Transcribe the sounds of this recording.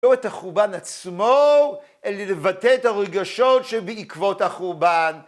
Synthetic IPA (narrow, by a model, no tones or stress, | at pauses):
oethaχuʁbanat͡smo | ʔelelevateethaʁeɡaʃotʃebeikvo̞thaχuʁban